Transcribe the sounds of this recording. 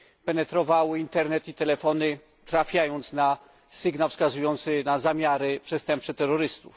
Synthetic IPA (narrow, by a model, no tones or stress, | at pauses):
pɛnɛt̪ɾɔvawɘint̪ɛɾnɛt̪it̪ɛlɛfɔnɘ | t̪ɾafʲjajɔnt̪sna | sɘɡnawfskazujɔnt̪sɘnazamʲjaɾɘpʂɛst̪ɛmp̚sɛt̪ɛɾːɔɾɘst̪ṵf